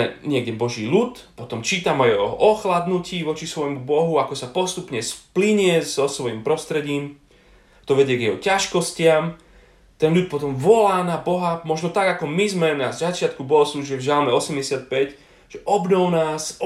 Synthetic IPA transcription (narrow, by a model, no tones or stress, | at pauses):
ɛɲɪɛɡɟɛbɔʒiːʎut̪ | pɔt̪ɔmt͡ʃiːt̪amajɛɔɦɔʔɔxlad̪nuciːʋɔt͡ʃisʋɔjmubɔɦuakɔsapɔst̪upɲɛspliɲɪɛzɔsʋɔjiːmpɾɔst̪ɾɛɟiːm | t̪ɔʋɛɟɪɛɡjɛɦɔcaʃkɔscɪam | t̪ɛnʎut̪̚pɔt̪̬ɔmʋɔlaːnabɔɦamɔʒnɔt̪aɡakɔmizmɛnazzat͡ʃɪat̪kubɔɦɔsluʒɛvʒalmɛɔsɛmɟɛsɪat̪̚pɛc | ʒ̥ɛʔɔbnɔʊnaːs